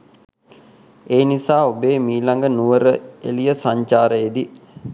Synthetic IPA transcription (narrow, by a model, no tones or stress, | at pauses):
eːnisaːobeːmiːlaŋɡənuʋəɾəḛlijəsaɲt͡ʃaːɾəed̪i